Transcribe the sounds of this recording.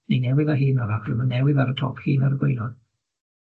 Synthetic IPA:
nenɛwɪðaɦiːnɔɾaχrɨmənɛwɪðaɾətʰɔ̰ːphiːnaɾəɡwejlɔn

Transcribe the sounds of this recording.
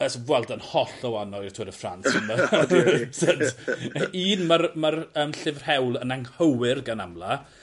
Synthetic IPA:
əsvwɛlˠdənhɔɬɔwanɔjr̥tʰʊːɾəfra̰nsɔmə | sat | iːnmarmarəːmɬɪvr̥hɛwlˠənaŋhəwɪrɡanamla

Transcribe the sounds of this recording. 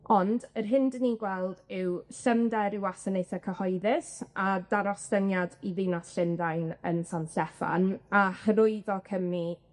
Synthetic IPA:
ɔndərɦɪndniɡwɛlˠdɪwɬəmdɛɾɪwasənejθakʰəhɔɨðɪsadaɾɔstənjadiðɪwnasɬɪndajnənsansɛfa̰nahərʊɨðɔkʰəmi

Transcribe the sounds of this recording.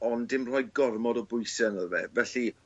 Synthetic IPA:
ɔndɪmr̥ɔjɡɔrmɔdɔbʊjsənəðvɛ̰vɛɬi

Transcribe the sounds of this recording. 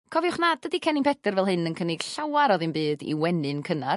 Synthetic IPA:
kʰɔvjʊχnad̥ədikʰɛnimpʰɛdərvɛlˠɦɨnənkʰənɪɡ̥ɬawaɾɔðɨmbɨːdḭwɛnɨnkʰənar

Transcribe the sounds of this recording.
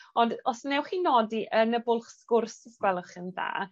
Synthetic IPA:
ɔndɔsnɛwχinɔdiʔənəbʊlˠχsɡʊrsəskwɛlˠʊχənða̰ː

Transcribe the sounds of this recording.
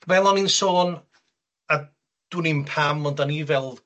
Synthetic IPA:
vɛlˠɔninsoːn | ə | d̥wɪnimpʰamɔndanivɛlˠ

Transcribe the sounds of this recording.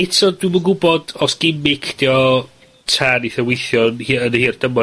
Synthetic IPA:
ɪtʰɔdwɪməŋɡʊbɔdɔsɡ̥ɪmɪkʰd̥iɔ | tʰaniθɛwɪjθjɔnhiːənhiːrd̥əmɔ

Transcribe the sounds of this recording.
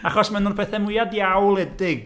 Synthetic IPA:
aχɔsmɛnʊnpʰɛθɛmʊjadjawlˠɛdɪɡ

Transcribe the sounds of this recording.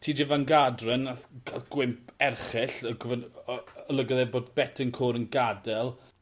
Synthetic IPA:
tʰiːd͡ʒɪvanɡadrənaθkʰaɡ̥wɪmpʰɛrχɪɬəɡʊvɛnəlˠəɡɔðɛboːdbɛtʰənkʰoːɾənɡadɛlˠ

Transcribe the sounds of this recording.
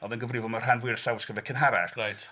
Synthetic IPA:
ɔðɛnɡəvrɪvɔlˠmar̥ɦanvwɪrɬawsɡ̥əvɛkʰənɦaɾɛrrajt

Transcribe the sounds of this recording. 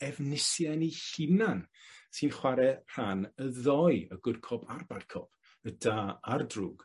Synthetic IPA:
ɛvnɪsjanihɪnan | sɨnχwaɾɛr̥anəðɔjəɡ̥ʊrkʰɔpʰarbarkʰɔpʰ | ədaːardruːɡ̥

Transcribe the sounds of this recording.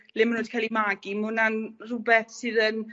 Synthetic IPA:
lɪmənoːd̥kʰajlˠimaːɡimʊnanrʊbɛθsɨːðən

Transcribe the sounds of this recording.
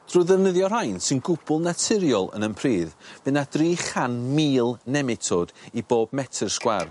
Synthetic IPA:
d̥ruːðəvnəðjɔr̥ajnsɪnɡʊbʊlˠnatʰɪɾjɔlˠə̰nənpʰriːðb̥ɨnadriːχanmiːlˠnɛmɪtʰod̥iboːb̚mɛtʰərskwar

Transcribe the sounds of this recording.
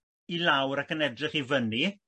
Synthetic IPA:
ilˠawɾakənɛdrɪχivəni

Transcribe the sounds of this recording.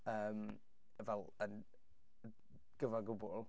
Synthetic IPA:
əːm | əvɛlˠən | ɡ̥əvaɡʊbʊlˠ

